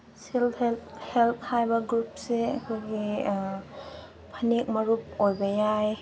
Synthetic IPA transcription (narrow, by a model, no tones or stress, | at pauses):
silhelt̪̚ʰhajbaɡɾup̚seakʰojɡi | pʰanik̚maɾup̚ojbajaj